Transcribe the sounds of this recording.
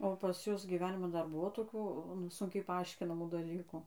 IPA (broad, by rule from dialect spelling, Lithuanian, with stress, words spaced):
oː pɐs ˈjʊs ɡʲiːˈʋʲæːnʲɪmɐn ˈdɐr ˈbʊʋoː toːˈkʲuː nʊ ˈsʊŋʲkʲɛɪ pɐˈɐɪʃʲkʲɪnɐmuː dɐˈlʲiːkuː